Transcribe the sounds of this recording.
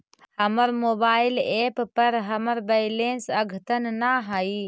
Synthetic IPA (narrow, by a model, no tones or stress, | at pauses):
həməɾmoːbaːɪleppəɾɦəməɾbəɪlẽnsəɡʱt̪ənnaɦai